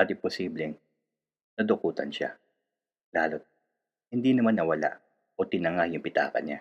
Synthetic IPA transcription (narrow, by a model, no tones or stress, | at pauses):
ad̪ɪposiːblɛŋ | nɐd̪okuːt̪ɐnʃa̰ | laːlot̪̚ | hɪnd̪inɐmanːɐwɐla̰ʔ | ʔot̪ɪnɐŋajʊŋpɪt̪a̰ːkɐ̰ɲa̰